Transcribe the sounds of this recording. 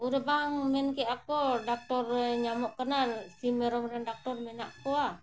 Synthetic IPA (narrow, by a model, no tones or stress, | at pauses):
uɾəbaŋmɛnkeʔakodak̚t̪ɔrɲamɔʔkənalsimɛɾɔmɾandak̚t̪ɔrmɛnaʔkoa